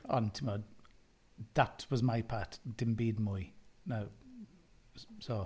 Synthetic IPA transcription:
a̰ntʰɪmɔ | ðətʰwɔzmaɪpʰaːˑtd̥ɪmbiːdmʊjnaw | soː

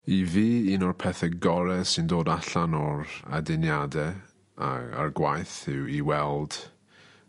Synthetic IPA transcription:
iviːinɔrpʰɛθɛɡɔɾɛsɪndoːdaɬanɔɾa̰dɪnjadɛ | a̰a̰rɡwajθɪwiwɛlˠd̥

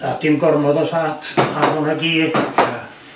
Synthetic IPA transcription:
ɑːt̪ːiŋkormot̪ɑsɑːt̪ɑːkunɑkiːeɑ

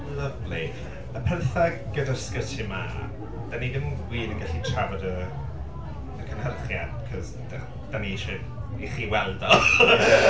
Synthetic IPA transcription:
ləvli | əpʰɛrθaɡ̥ədarskətʰima̰ | d̥anidɪmunwiːdənŋɡaɬitʰravɔdə | əkʰənhərχjad̥̚kʰɔz | d̥a | d̥aneʃɪn | iχiːwɛlˠdɔ

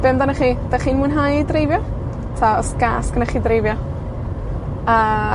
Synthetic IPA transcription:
b̥ɪmdanaχiːd̥aχiːnmuːnɦajdrejvjɔ | tʰaɔsɡ̥aːskənaχiːdrejvjɔ | əː

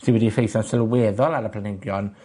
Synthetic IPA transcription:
siwɛdifejθansəlwɛðɔlˠaɾəpʰlanɪɡjɔn

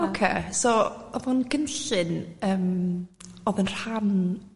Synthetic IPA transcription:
okʰḛːsoɔvʊnɡ̥ənɬɨnəːm | ɔðənr̥han

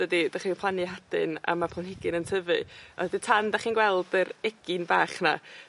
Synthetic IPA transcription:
ədid̥aχipʰlˠanɨɦad̥ɨ̰na̰mapʰˠanhɪɡɪnəntʰəvɨditʰandaχiːnɡwɛlˠdəɾɛɡ̥ɪnbaːχna̰

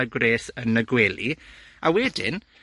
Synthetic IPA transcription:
aɡwreːsənəɡwɛlˠiawɛdɪ̰n

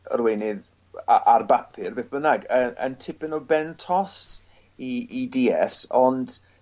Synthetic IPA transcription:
rwejnɪð | a̰ʔarbapʰɪrbeːθb̥ənaɡəʔə̰ntʰɪpɪnɔbɛntʰɔst | iidiːɛ̰sɔnd̥

